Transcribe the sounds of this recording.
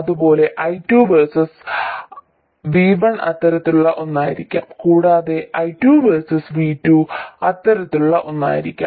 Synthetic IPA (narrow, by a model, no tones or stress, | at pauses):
ɐðubo̞ːle̞ʔɐjtːjuːʋersɐs | ʋiːbɐɳɐt̪ːɐɾɐt̪ːiluɭːɐʔo̞nːaːjiɾikʲːa̰ːmkuːɽaːðe̞ʔɐjtːjuːʋersɐsʋiːtːjuɐt̪ːɐɾɐt̪ːiluɭːɐʔo̞nːa̰ːjiɾikʲːa̰ː